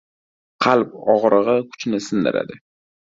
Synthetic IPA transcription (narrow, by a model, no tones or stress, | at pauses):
qʰɑlˠpɒʁɾɨʁɨkʰʊ̥t͡ʃnɪsɪnd̪ɪ̰ɾʔa̰d̪ɪ